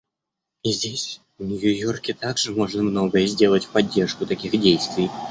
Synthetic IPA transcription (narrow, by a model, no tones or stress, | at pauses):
izʲdʲesʲ | vnʲʊjʊjo̞rkʲɪt̪aɡʐɨmo̞ʐnəmno̞ɡəjəzʲdʲe̞lˠətʲfpɐdʲːe̞rʂkʊt̪ɐkʲixdʲejst̪vʲɪj